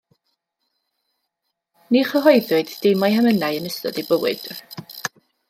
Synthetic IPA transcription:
niχəɦɔjðʊɨdd̥ejmajɦɛmənaɨənəstɔ̰dibəwɨ̰d̥

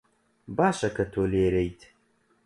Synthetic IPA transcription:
baːʃɐkɐt̪ʰoːleːɾejt̪ʰ

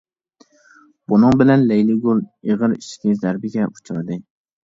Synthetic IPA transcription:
b̥ʊnɨŋbɪlanlejlɪɡʊlˠeʁɨɾɪʃkʲʰɪzaɾbɪɡʲaʊ̥t͡ʃʰɪɾd̪ɪ

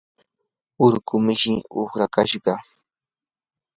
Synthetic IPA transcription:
ʊɾkʊmɪʃɪoχɾakaʃɢɑ

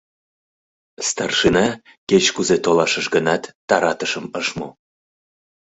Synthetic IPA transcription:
st̪ɑrʃinɑ | ket͡ɕkuzet̪olɑʃəʃɡənɑt̪ːɑɾɑt̪əʃəməʃmo

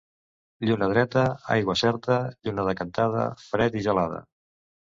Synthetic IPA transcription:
ʎunəð̞ɾɛt̪əa̰jɣwəsɛɾt̪əʎunəðəkənt̪aðə̰fɾɛt̪iʒəlað̞ə̰

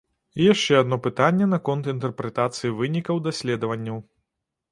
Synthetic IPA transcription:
ijaʂt͡ʂɛɐd̪nɔpɨt̪anʲːɛnɐkɔnt̪int̪ɛrpɾɛt̪at̪sɨjivɨnʲikɐwd̪asʲlʲɛd̪ɐvɐnʲːɐw

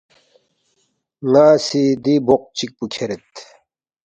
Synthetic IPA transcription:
ŋaːsid̪iboq̚t͡ɕik̚pukʰeɾet̪

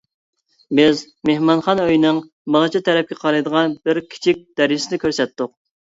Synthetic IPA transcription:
bɪz | mehmɑnχɑnøjnɨŋ | bɑʁt͡ʃʰit̪ʰɛɾɛp̚kʲɛqʰɑɾɨjd̪əʁɑnbɪɾkʲʰi̥t͡ʃʰik̚ʲd̪̥ɛɾsɪnɪkʲøɾsɛt̪ːʊq

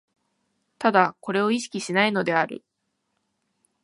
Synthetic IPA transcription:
t̪ad̪ako̞ɾe̞o̞iɕi̥kʲiɕinaino̞d̪e̞aɾɯ̟̰

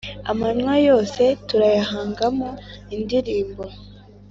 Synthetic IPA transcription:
a̰maɲwajo̞ːse̞tuɾajaɦaːŋɡamoindiɾiːmbo̞

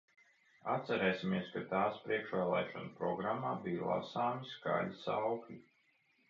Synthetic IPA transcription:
at̪sɛɾɛːsʲimiɛskat̪aːspɾiɛkʃʋaːlˠɛ̰ːʃɔnpɾɔɡɾamːaːbijlˠa̰saːmiska̰ʎʲisawklʲi

